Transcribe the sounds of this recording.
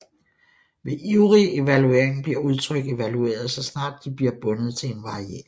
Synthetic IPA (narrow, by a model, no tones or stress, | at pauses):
ʋe̝ʔiʊʁie̝ʋælue̝ɐ̰eŋb̥liɐuð̞ˠt͡sʰʁœɡ̥e̝ʋælue̝̰ːɐð̩ˠsɒ̽snɑ̈ːd̥̚ːib̥liɐb̥ɔ̽nəð̞̩ˠt͡sʰe̝enʋɑ̈ʁiɛ̰ːɐ